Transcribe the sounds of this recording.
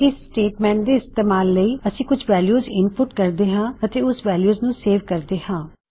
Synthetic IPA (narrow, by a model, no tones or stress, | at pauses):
ɪsːʈeːʈmɛ̃ːɳʈd̪eːɪst̪eːmaːlːəiːəsĩːkʊd͡ʒʰʋɛːljuːzɪnpʊʈkəɾd̪eːɦãːət̪eːʊsʋɛːljuːznũːseːʋkəɾd̪eːhãː